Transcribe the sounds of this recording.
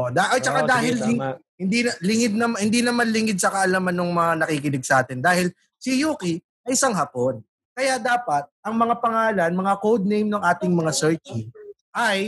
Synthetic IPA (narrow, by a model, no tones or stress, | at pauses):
d̪aʔot͡ʃɐkad̪aːɦɪlɪŋhɪnd̪inlɪŋɪd̪̚nɐmhɪnd̪iːnɐmanlɪŋɪd̪̚sɐkɐʔɐlamanːoŋmɐŋanɐkikɪlɪɡ̚sɐʔaːt̪ɪnd̪aːhɪl | sɪjuːki | ʔɐjʔɪsaŋɦapon | kɐjad̪aːpɐt̪̚ʔɐŋmɐŋapɐŋaːlɐnmɐŋakowd̪̚nejmnɐŋʔaːt̪ɪŋmɐŋasɛɹt͡ʃi | ʔaj